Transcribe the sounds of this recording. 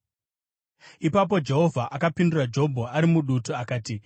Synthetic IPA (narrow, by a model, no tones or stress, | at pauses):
ipapo̞d͡ʒe̞ɦo̞vʱaʔakapindurad͡ʒo̞bʱoaɾimuɗutuakaːti